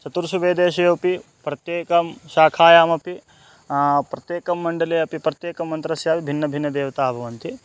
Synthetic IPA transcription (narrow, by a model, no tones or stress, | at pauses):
t͡ʃɐt̪uɾʃuʋeːd̪eːʃɐjoːpi | pɾɐt̪jeːkɐmʃaːkʰaːjaːmɐpi | pɾɐt̪jeːkɐmːɐɳɖɐleːɐpipɾɐt̪jeːkɐmːɐnt̪ɾɐsjaːʋibʱinːɐbʱinːɐd̪eːʋɐt̪aːbʱɐʋɐnt̪i